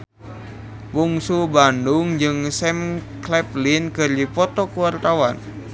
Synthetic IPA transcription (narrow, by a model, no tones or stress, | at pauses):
wuŋsubandʊŋd͡ʒɨŋsɛmklɛplinkɨrdipɔt̪ɔkuwart̪awan